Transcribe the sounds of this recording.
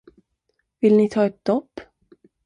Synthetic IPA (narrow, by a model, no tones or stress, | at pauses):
vɪlnɪt̪ʰɑːɛt̪̚d̪ɔpː